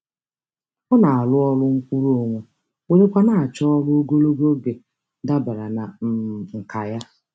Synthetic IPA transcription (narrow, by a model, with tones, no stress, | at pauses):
ɔ˦na˨a˨lʊ˦ɔ˦lʊ˦ŋ̩˦kʷu˦ɾo˨ŋʷe˨ | we˨ɾe˦kʷa˦na˨a˨t͡ʃɔ˦ɔ˦lʊ˦o˦ɡo˦lo˦ɡo˦ɡe˨ | da˦ba˨ɾa˨na˨m̩˨ŋ̩˨ka˨ja˦